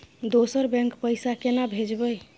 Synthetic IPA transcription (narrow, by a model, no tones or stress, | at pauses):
d̪osəɾbɛ̃ŋkpəjsakenabʱed͡ʒbəj